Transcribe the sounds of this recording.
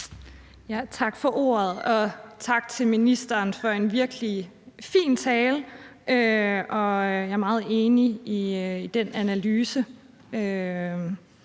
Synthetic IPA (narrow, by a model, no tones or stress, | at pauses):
jæt͡sʰɑ̈ɡ̥fɒ̽ʔo̝̰ːɐð̞̩ˠɒ̽t͡sʰɑ̈ɡ̥t͡sʰe̝lminisd̥ɐːnfɒ̽e̝nʋiɐɡ̥li | fḭːnt͡sʰɛːlʔøɒ̽jɑ̈ɐmɑ̈ːð̩ˠe̝ːniiid̥enænælyːsə | ø